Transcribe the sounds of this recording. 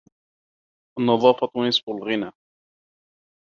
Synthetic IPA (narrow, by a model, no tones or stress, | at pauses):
ʔɑnːɑðˤɑːfɑt̪wnɪsˤbʊlɣɪnaː